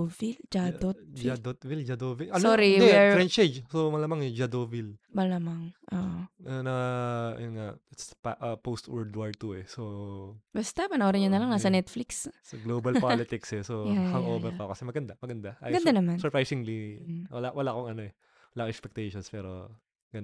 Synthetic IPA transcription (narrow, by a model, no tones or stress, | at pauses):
vild͡ʒaot̪̚d͡ʒad̪ot̪̚vild͡ʒɐd̪oːviʔɐnsoɾid̪ɛɛfɾɛnt͡ʃed͡ʒsomɐlaːmɐŋɛd͡ʒɐd̪ovilbɐlamɐŋʔoʔoɐnɐɐnŋaʔspaʔɐpost̪wɛɹd̪waɹt̪uɛsobɐst̪apɐnɐoːɾɐɲonɐlaŋnasɐnɛt̪flikssɐɡloːbɐlpalɪt̪ɪksɛsoɛhɐŋʔoːbɛpɐkɐsɛmɐɡɐnd̪amɐɡɐnd̪aʔa̰ːjɡɐnd̪anɐmansɔɹpɹajsɪŋliwɐla̰ʔwɐlakoŋɐno̞ɛ | wɐlaːkʔɛkspɛk̚t̪ɛjʃonspɛːɾo̰ | ɡɐn